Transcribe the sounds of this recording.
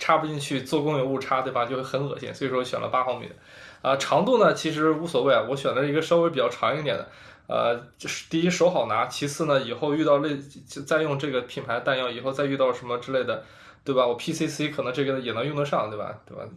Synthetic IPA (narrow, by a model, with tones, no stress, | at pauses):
ʈ͡ʂʰa˥pu˧t͡ɕi˥˧nt͡ɕʰy˥˧t͡swɔ˥˩kʊ˥ŋjo˧˥ʊu˥˩ʈ͡ʂʰa˥t̪we˥˩ba˩t͡ɕo˥˧ʊxwxə˧˥nxɤ˨˩ɕjɛ̰˥˩nswi˨˩ʂwɔ˥˧ɔ˥ɕɥɛ̰˨˩nlʔə̰˦pa˥xɑ˧˥mḭ˨˩˦ | ə˧ʈ͡ʂʰɑ˧˥ŋt̪u˥˩nə˩t͡ɕʰi˧˥ʂ̬ɻ̩˧˥u˧˥swɔ˨˩we˥˩ɪa˩wɔ˧˥ɕɥɛ˨˩nlə˦ʂɡə˧ʂɑ˥ʊe˧˥p̬t͡ɕjɑ˥˩ʊʈ͡ʂʰɑ˧˥ŋi˥˩t̪jɛ˨˩nd̪ə̰˦ | ə̰˧ʂt̪i˥˩i˥˩ʂo˧˥ʊxɑ˨˩ʊna˧˥t͡ɕʰi˧˥sʰɹ̩˥˩nə˩i˨˩xo˥˧ʊy˥˧t̪ɑ˥˧ʊle˥˧˥t͡sa˥˧ɪjʊ˥˧ŋʈ͡ʂɤ˥˩ɡə˩pʰi˨˩npʰa˧˥ɪt̪a˥˧njɑ˥˩ʊi˨˩xo˥˧ʊt͡sa˥˧ɪy˥˧t̪ɑ˥˩ʊʂə˧˥nmə˧ʈ͡ʂɻ̩˥le˥˩ɪd̪ə˩ | t̪we˥˩ba˩wɔ˨˩pʰi˥si˥si˥kʰɤ˨˩nɤ˧˥ŋʈ͡ʂɤ˥˩ɡə˩jɛ˨˩n˧˥ŋjʊ˥˧ŋt̪ʂɑ˥˩ŋt̪we˥˩ɪbɐ̰˨˩t̪we˥˧˩ba̰˩